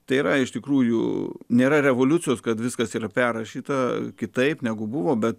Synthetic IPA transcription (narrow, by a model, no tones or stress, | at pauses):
t̪ɐɪiːɾɐɪʃt̪ʲɪkɾuːjʊ̰nʲeːɾɐɾʲɛʋoːlʲʊt̪sʲɪjoːskɐt̪ʋʲɪskɐsiːɾɐpʲærɐʃʲiːt̪ɐkʲɪt̪ɐɪpnʲæɡʊbʊʋoːbʲɛt̪